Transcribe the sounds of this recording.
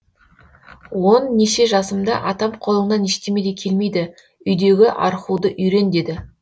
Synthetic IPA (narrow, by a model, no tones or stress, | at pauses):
wo̞nːeʃe̞ʒɑsəmd̪ɑ̰ʔɑt̪ɑmqʰo̞lˠənːɑneʃt̪eme̞d̪ekʲʰe̞lme̞jd̪ɪ | ʏjd̪e̞ɡʲɪʔɑ̰ɾχud̪əʔʏjɾe̞nd̪e̞d̪ɪ